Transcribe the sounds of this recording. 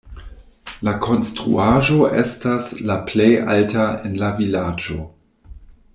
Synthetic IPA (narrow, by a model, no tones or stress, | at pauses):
lakʰo̞nstɾṵaʒo̞ʔestaslaplejʔa̰ltaenlavilad͡ʒo̰